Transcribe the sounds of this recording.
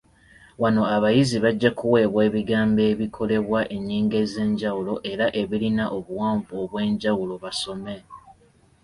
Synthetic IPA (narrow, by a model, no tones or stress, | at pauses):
wano̞aβajiziβaɟːakuwe̞ːβwe̞ːβiɡaːmbe̞ːβikʰo̞le̞βwaʔe̞ɲːiːŋɡe̞ze̞ːɲɟawulo̞ʔe̞ɾaʔe̞βilinaʔoβuwaːɱvuoβwe̞ːɲɟawulo̞βaso̞me̞